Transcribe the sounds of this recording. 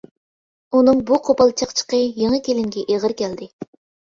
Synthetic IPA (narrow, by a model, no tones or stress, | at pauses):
unɨŋbuqʰopɑlˠt͡ʃʰɑqt͡ʃʰə̥qəjeŋəkʲʰelɪŋɡʲɛʔeʁəɾkʲʰɛld̪ɪ